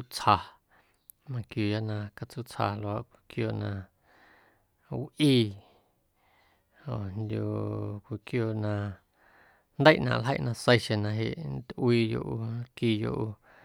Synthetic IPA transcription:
u˦t͡sha˧ | mã˧kju˧˨ja˦ʔnã˧ka˧t͡su˦t͡sha˧lo˨a˧˨ʔkʷi˨kjoː˧˨nã˧ | wʔiː˧ | o̰˨nd̪ʲju˧˨kʷi˨kjoː˧˨nã˧ | nd̪ə˦jʔnã̰˧˨ʔlɦə̰˦˨ʔnã˧sə˦˧jʃẽ˧nã˧ɦe˨ʔn˦t̪ʔwiː˧jo̰˧˨ʔu˧˦kiː˧jo̰˧ʔu˧

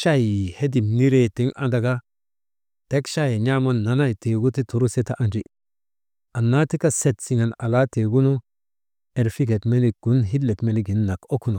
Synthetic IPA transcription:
ʃa˦ji˨he˦di˨mni˦ɾe˨ti˦ŋʔa̰˦da˨ɡa˦ | te˦kʃa˦je˨ɲa˦mo˦nːa˨na˦˨jte˨ɡu˦ti˦tu˨ɾu˦se˦ta˦˨ʔa˨nd͡ʒi˦ | a˨nːa˦ti˦ka˦se˦˨tsi˨ŋa˨na̰˨la˦te˨ɡu˦nu˦ | e˨ɾfi˦ɡe˨tme˦ni˨ɡ̥u˨˦nɦi˦lːe˨kme˨li˦ɡi˨˦nːa˨ko˦ku˦no˨

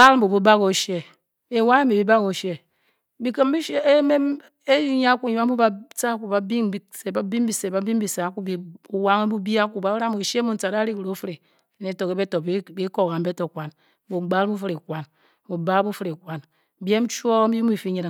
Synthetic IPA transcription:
ba˦lm̩˦bu˨bu˦ba˦ɣo˨ʃe˦ | e˨wa˦e˦mi˨bi˦ba˦ɣo˨ʃe˦ | bi˨kə˦m˦bi˦ʃe˦me˦m | e˦ji˦ɲ˦a˦ku˦˨i˨˦a˦mu˦ba˨t͡sa˦ku˨ba˨bi˦ŋ˦bi˨se˨ba˦bi˦mbi˨se˨ba˨bi˦mbi˨sa˨˦ku˦bi˨u˨wa˦ŋe˦bu˦bi˦a˦ku˨ba˨˦ɾa˦mo˨ʃe˦mu˦˨n̩˦t͡sa˨ɾa˦ɾi˦kɾo˨˦fɨ˦ɾi˨ | ne˨to˨ke˨be˦to˨bi˦ko˨ka˨m˦be˦to˨kʷa˨n˦ | bu˨ɡ͡ba˦lbu˦fɨ˦ɾi˨kʷa˨n | bu˨ba˦bu˦fɨ˦ɾi˨kʷa˨n˦ | bi˦e˦m˦t͡ʃu˦o˦bi˦m˦i˨fi˦ɲi˨ɾa˨

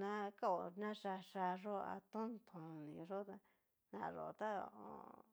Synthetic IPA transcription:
nã˦ka˦o˨nã˦ʂa˧ʂa˧ʐo˦a̰˧t̪õ˦nt̪ʰõ˨nĩ˨ʐo˦t̪a˦ | nã̰˧˨ʐo̰˨˧t̪a˦˧o̰˨

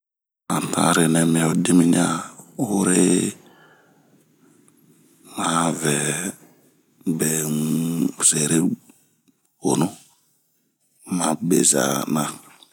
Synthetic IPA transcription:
a˨ta̰˦ɾe˨nɛ˨me˨ɔ˨di˦mi˦ɲa˦ho˦ɾe˦ | ma˦vɛ˨ | be˨ | se˨ɾe˦ | o˨nu˦ | ma˨bḛ˨za̰˨na˦

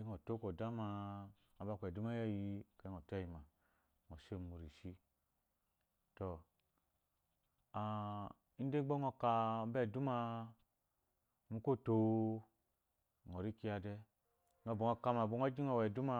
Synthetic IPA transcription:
i˦ŋo˨to˦ko˨da˦ma˧ | a˨ba˧˨kʷɛ˨du˦ma˦jɛ˦˨ji˧ka˨˦ŋɔ˨tɛ˦˨ji˨ma˨ | ŋɔ˨ʃe˦˨mu˨ɾi˨ʃi˦ | to˨ | a˨ | i˦n̩˦de˦ɡ͡bɔ˦ŋɔ˧ka˧˨˦bɛ˦˨du˦ma˧ | mu˧ko˦˨to˦ | ŋɔ˨ɾi˦ki˧a˧dɛ˦ | ŋɔ˧˨bo˨ŋɔ˧ka˧ma˨ɡ͡bo˧ŋɔ˦d͡ʒi˦ŋɔ˨wɛ˨du˦ma˧

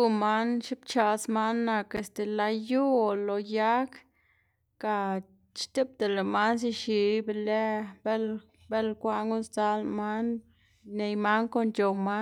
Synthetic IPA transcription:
u˧ma˦nʃi˦bt͡ʃa˧sma˦nːa˧ke˨st̪e˨la˧ju˦o˨lo˨ja˦k | ka˨ | t͡ʃt̪e˦p̚d̪e˨le˨ma˦ns̬i˧ʃi˧˨˦be˧le˦be˦l | be˦lkʷa˧ʔŋɡu˦st͡sa˦lma˦n | ne˨jma˦nko˧nt͡ʃo˨ma˦

